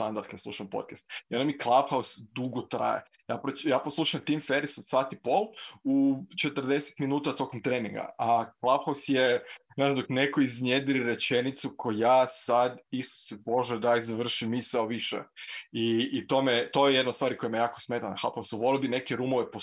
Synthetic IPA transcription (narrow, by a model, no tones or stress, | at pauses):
st̪and̪aɾd̪kad̪sluʃampo̰t̪̚kast̪iond̪amiklˠapxausd̪uɡot̪ɾa̰jḛ | jaːpɾojaːposlˠuːʃamt̪iːmfeɾisod̪saːt̪ipo̞lut͡ʃet̪ər̩d̪ese̥t̪minuːt̪at̪o̞komt̪ɾeːnḭŋɡa̰aklˠapxausjenazamd̪oknekoizned̪iɾiɾet͡ʃenit̪sukʰojujaːsad̪isu̥sebo̞ʒɛd̪aizaʋr̩ʃimisaoʋiʃḛiːt̪omet̪ojejed̪not̪st̪ʋaːɾiko̞jemejaːkosmet̪ana̰xla̰pxawsuʋo̞lobine̞keɾumoʋepo